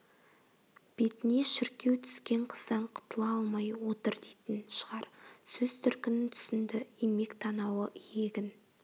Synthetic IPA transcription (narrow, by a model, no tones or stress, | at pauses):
b̥e̞t̪neʃɪɾkʲe̞wt̪ʰʏ̥skʲe̞ɴqʰə̥zɑɴqʰʊ̥t̪əlˠɑɑlˠmɑjwo̞t̪əɾd̪ejt̪ɪnʃəʁɑɾsɵz̥t̪ʰʏɾkʲɪnɪnt̪ʰʏ̥sɪnd̪ɪime̞kt̪ʰɑnɑwəje̞ɡʲɪn